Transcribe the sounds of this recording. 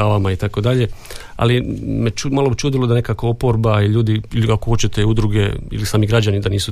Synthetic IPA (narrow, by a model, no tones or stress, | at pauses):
aːʋamait̪ako̞d̪aʎe̞ | a̰limet͡ʃumalobt͡ʃuːd̪ilod̪ane̞kakoopo̞ɾbaiʎuːd̪iiliakoxo̞t͡ɕet̪e̞ud̪ɾuɡe̞ḭlisaːmiɡɾad͡ʑanid̪aniːsu